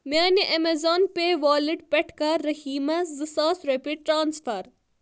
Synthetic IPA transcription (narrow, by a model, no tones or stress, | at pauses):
mʲaːniʔɐmezoːnpeʋaːliʈpɛʈʰkɐːɐhiːmɐzɨsaːsɾepiɖ̚ʈɾaːnsfɐɾ